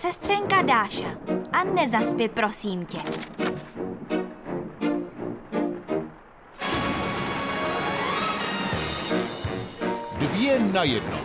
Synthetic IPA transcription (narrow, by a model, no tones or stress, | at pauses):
sɛst̪r̥ɛŋkadaːʃaʔanɛzaspɪpɾo̞siːmcɛ | dvjɛnajɛdno̰